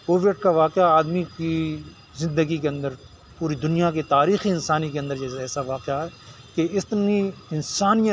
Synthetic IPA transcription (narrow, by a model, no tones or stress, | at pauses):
koːʋiəʈ̚kaʋaːqɪaaːd̪miki | zɪ̃nd̪əɡikeɐ̃nd̪əɾ | puːɾid̪ʊnijaket̪aːɾiːxiɪnsaːnikeɐ̃nd̪əɾd͡ʒɛːsɛːsaʋaːqɪaɦɛː | keɪst̪niɪnsaːnijə